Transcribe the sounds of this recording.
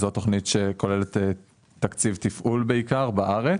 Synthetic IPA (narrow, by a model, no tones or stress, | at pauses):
zot̪o̞χnitʃeko̞lelet̪e | tːakt͡sivt̪ifʔulbeikaʁbaʔaʁe